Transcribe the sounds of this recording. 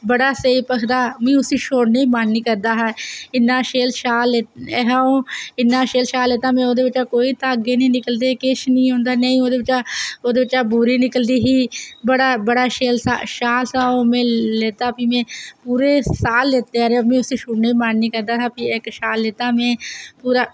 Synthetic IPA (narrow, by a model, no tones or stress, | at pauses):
bəɽaːseːpəkʰd̪aːmẽːʊsiːʃoːɽneːibaːnniːkəɾd̪aːɦɛːɪnːãːʃeːlʃaːleːɦaːõːɪnːãːʃeːlʃaːlːeːt̪aːmɛ̃ːoːd̪eːʋɪt͡ʃaːkoːiːt̪aːəɡeːnĩːnɪkəld̪eːkɪʃnĩːõːnd̪aːneĩːoːd̪eːʋɪt͡ʃaːoːd̪eːʋɪt͡ʃaːbuːɾiːnɪkəld̪iːɦiːbəɽaːbəɽaːʃeːlsaːʃaːlsaːoːmẽːleːt̪aːpiːmẽːpuːɾeːsaːlːeːt̪eːaːɾemẽːʊsiːʃoːɽneːibaːɳnĩːkəɾd̪aːt̪aːpiːekʃaːlːeːt̪aːmẽːpuːɾaː